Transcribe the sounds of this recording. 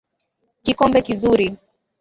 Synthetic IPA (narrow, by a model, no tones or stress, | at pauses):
kikɔmbɛkizuɾi